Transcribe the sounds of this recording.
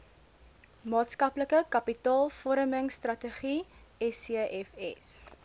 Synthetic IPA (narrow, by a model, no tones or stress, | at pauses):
mɑːtskɐpləkəkɐpitɑːlˠfɔɾəməŋstrɐtəχiɛsiəʔɛfɛ̰s